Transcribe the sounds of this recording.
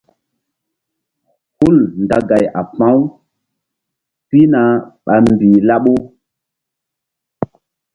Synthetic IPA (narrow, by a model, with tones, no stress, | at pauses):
hu˦lnda˨ɡa˨jʔa̰˨pã˦w | pi˦na˨ɓa˨mbi˨la˦ɓo˦